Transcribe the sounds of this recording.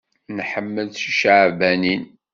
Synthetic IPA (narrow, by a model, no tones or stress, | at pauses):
nħəmːəlθʃəʕbænin